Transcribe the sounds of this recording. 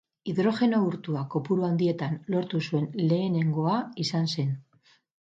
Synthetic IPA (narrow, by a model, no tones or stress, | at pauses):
iðɾo̞xe̞nouɾt̪uako̞puɾuand̪ie̞t̪anlo̞ɾt̪usue̞nle̞ːne̞ŋɡo̞aisanse̞n